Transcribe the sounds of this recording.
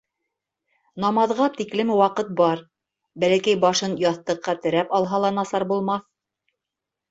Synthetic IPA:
nɑmɑðʁɑt̪iklɘmwɑqɤt̪̚bɑɾ | bælækæjbɑʃɤnjɑθt̪ɤ̆qːɑt̪ɘ̆ɾæpɑlˠɦɑlˠɑnɑsɑɾbulˠmɑθ

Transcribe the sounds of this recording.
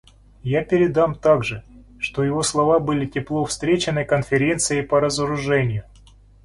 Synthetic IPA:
japʲɪɾʲɪd̪amt̪aɡʐɨ | ʂt̪o̞jɪvo̞slˠɐvabɨlʲɪtʲɪplˠo̞fst̪ɾʲet͡ɕɪnɨjkənfʲɪɾʲe̞nt̪sɨjəpəɾəzəɾʊʐɛnʲɪjʊ

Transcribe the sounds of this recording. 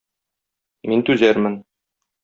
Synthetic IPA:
mint̪ʉzæɾmɘn

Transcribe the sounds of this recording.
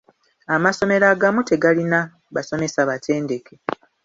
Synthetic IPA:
amaso̞me̞ɾaːɡamute̞ɡalina | baso̞me̞saβatʰe̞ːnde̞ke̞

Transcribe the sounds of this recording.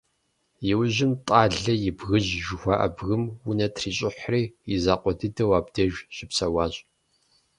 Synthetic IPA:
jɪwʑɪmtʼɑːɮɐjɪbɣɨʑʒɪxʷaːʔɐ̰bɣɨmwʊnɐtʰriːɕʼɪħʷriːjɪzaːqʷʼɔdɨdɐwaːbdɐʒᶣɕɪpsɐwɑːɕʼ

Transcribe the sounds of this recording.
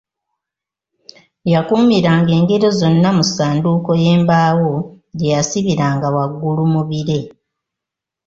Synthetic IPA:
jakuːmiɾaːŋɡe̞ːŋɡe̞ɾozo̞nːamusaːnduːko̞je̞ːmbaːwo̞ | ɟejasiβiɾaːŋɡawaɡːulumuβiɾe̞

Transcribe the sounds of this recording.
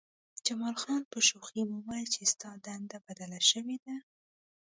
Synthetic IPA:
d͡ʒamɑlxɑnpəʃoximuwajjt͡ʃest̪ɑd̪and̪abad̪alaʃəwed̪a

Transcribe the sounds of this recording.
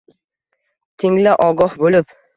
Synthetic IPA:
t̪ʰɪŋlɪʔɒɡɒhbolɪp

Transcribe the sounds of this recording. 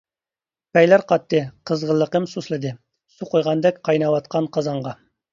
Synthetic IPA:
pɛjlæɾqʰɑt̪ʰːɨqʰəzʁəlˠːəqəmsuslˠɨd̪ɨ | suqʰojʁɑnd̪ɛkʲqʰɑjnɑwɑt̪̚qʰɑnqʰɑzɑɴʁɑ

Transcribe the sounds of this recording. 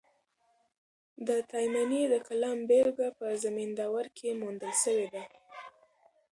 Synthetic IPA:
d̪ət̪ɑjmaned̪əkalɑmbeɾɡapəzamind̪ɑwaɾkʰemund̪əlʃəwed̪a

